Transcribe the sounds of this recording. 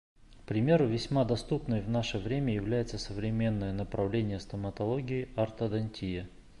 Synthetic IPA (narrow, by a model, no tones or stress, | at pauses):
kpɾʲɪmʲe̞ɾʊvʲɪsʲmad̪ɐst̪upnəjvnaʂəvɾʲemʲəjɪvlʲæjɪt̪səsəvɾʲɪmʲe̞nːəjənəpɾɐvlʲenʲɪjəst̪əmət̪ɐlˠoɡʲɪːart̪əd̪ɐnʲtʲijə